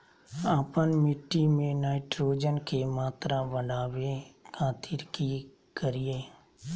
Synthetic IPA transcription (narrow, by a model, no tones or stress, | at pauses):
aːpənmɪʈːimẽnaːɪʈɾoːd͡ʒənkʰeːmaːt̪ɾaʋəɖaːʋekãːt̪ʰiɾki | kəɾijeː